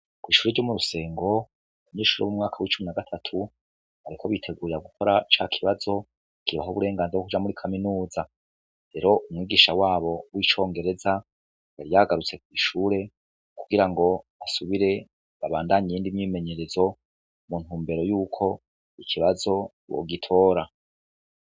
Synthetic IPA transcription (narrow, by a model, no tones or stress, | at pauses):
kwiːʃuːɾeɾɟo̞muɾuse̞ːŋɡo̞ | βaɲe̞ːʃuːɾowmumŋaːkʰawit͡ʃuminaɡatʰatʰu | aɾikʰo̞βitʰe̞ɡuːɾiɾaɡukʰo̞ɾat͡ʃakʰiβazo̞ | kiβaɦuβuɾe̞ːŋɡaːnzeokud͡ʒamuɾikʰaminuːza | ɾe̞ɾo̞ʔumŋiːɡiʃawaːβo̞wit͡ʃo̞ːŋɡe̞ɾe̞za | jaɾijaɡaɾut͡se̞kwiʃuːɾe̞ | kuɡiɾaŋɡo̞asuβiɾe̞ | βaβaːndaɲijiːndimɲiːme̞ɲe̞ɾe̞zo̞ | mun̥huːmbe̞ɾo̞juːkʰo̞ | ikʰiβazo̞ | wo̰ɡitʰo̞ːɾa